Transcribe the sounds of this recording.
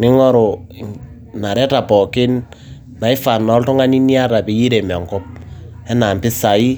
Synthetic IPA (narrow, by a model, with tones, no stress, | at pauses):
nɪ˦ŋɔ˦ɾo˨ | na˨ɾɛ˦ta˨pɔ˨kɪ˦n | na˨i˦fa˨nɔ˦ltʊ˦ŋa˦ni˦ni˦a˦ta˨pi˨ji˦ɾe˨mɔ˨ŋkɔ˦p̚ | ɛ˦na˨mpɪ˦sa˨i˦